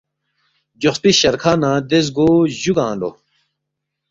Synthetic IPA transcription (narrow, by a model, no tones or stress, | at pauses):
d͡ʑoxt̪iɕɐɾkʰaːnãːd̪ez̬ɡoʑuɡãːlo̰